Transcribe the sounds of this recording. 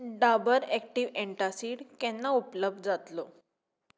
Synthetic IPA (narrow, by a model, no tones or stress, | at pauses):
ɖabəɾɛk̚ʈiʋeɳʈasiːɽkɛnːaupləb̚d̪d͡zat̪lo